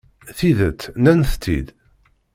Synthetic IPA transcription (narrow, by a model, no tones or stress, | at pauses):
θiðət͡s̪ːnænθt̪ːḭd̪